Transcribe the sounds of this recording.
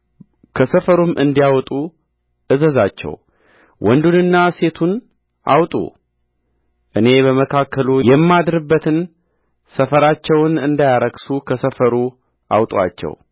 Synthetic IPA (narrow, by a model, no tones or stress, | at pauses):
kʰəsəfəɾumʔɨnd̪ijawt̪ʼu | ʔɨzəzat͡ʃːɛ̰w | wʔɔnd̪unɨnːase̞t̪ʰun | ʔa̰wt̪ʼṵ | ʔɨne̞bəməkʰakʰːəlujɛmːad̪ɾɨbːət̪ʰɨn | səfəɾat͡ʃːɛwnɨnd̪ajaɾəɡsukʰəsəfəɾu | ʔa̰wt̪ʼwa̰t͡ʃːɛ̰w